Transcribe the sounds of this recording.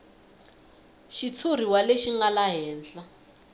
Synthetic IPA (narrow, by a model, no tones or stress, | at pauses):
ʃit͡sʰur̤iwaleʃiŋɡalaɦɛːnd͡ɮa